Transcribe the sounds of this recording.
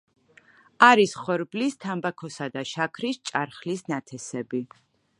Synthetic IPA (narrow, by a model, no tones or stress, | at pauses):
aɾisχɔɾblist̪ʰambakʰɔsad̪aʃakʰɾist͡ʃʼaɾχlisnat̪ʰɛsɛbi